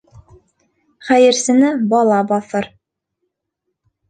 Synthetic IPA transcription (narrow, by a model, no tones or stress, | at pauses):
χæjɘ̆ɾsɘ̆nɘbɑlˠɑbɑθɤɾ